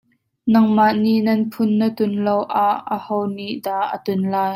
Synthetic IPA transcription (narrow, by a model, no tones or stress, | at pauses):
nɐŋmaʔniʔnɐnpʰʊnːət̪ʊnlɔwʔaʔːəhɔwniʔd̪aːʔət̪ʊnlaːj